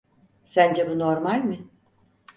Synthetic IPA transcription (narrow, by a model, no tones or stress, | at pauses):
sænd͡ʒɛbunoɾmalʲmɪ